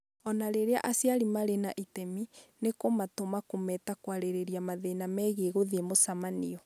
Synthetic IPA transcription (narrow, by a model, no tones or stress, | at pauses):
ɔnaɾeɾea̰ʔasjaɾimaɾenaʔitɛminekomatomakomɛtakwaɾeɾeɾiamaðenamɛɣeɣoðemosamanḭɔ